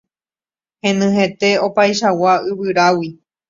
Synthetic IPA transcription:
hẽ̞nɨ̃hẽ̞t̪e̞o̞pajʃawaɨβɨɾawi

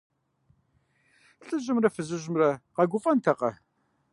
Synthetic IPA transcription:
ɬʼɨʑɪmrɐfɨzɨʑmrɐqɐɡʷʊfʼɐntʰɐqɐ̰

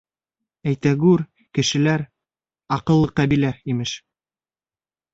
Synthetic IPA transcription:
æjt̪æɡʉɾ | kɘ̆ʃɘ̆læɾ | ɑqɤ̆lˠːɤqːɑbilæimɘʃ

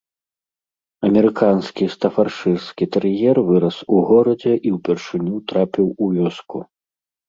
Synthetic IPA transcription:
ɐmʲɛɾɨkʰanskʲist̪ɐfarʂɨrskʲit̪ɐɾjɛrvɨɾɐsuɣɔɾɐd͡zʲɛʔiwpʲɛrʂɨnʲut̪ɾapʲiwuvʲɔskṵ

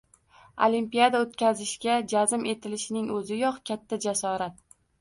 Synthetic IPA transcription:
o̰limpijad̪aot̪kʲazɪʃɡʲad͡ʒazɪme̞t̪ʰɪlɪʃɪnɪŋɵzɪjɒqkʲʰat̪ʰːad͡ʒasɒɾat̪̚

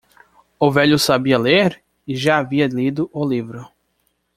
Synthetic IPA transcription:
ʊvɛʎʊsabiɐleɾ | ɪʒaːviɐlid̪ʊʔʊlivɾʊ

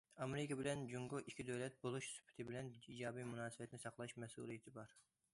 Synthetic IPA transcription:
ɑmeɾɪkʲɑbɪlɛnd͡ʒuŋɡʊʔikʲʰid̪øwlɛt̪̚bolˠuʃsy̥pʰːɪ̥t̪ʰɪbɪlɛnid͡ʒɑːbimunɑːsɨbɛt̪ʰɪnɪsɑqlˠɑʃmɛsṵːlˠijet̪ʰɪbɑɾ

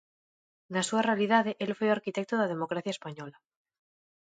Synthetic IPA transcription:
nasuarealiðaðeʔelfweaɾkit̪ek̚t̪oðað̞e̞mokɾaθjaespaɲola

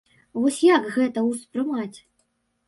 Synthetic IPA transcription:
vɔsʲjakɣɛt̪ɐwspɾɨmat͡sʲ

